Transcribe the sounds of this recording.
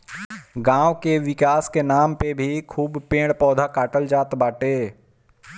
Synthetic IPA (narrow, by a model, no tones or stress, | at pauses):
ɡãːwkeʋɪkaːskenaːmpebʱikʰuːbpẽːɽpɔːd̪ʱakaːʈəld͡ʒaːt̪baːʈeː